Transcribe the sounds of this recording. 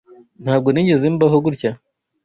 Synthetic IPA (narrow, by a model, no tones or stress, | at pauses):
n̥haːb̚ɡo̞niːɲɟe̞zembaɦoɡuɾca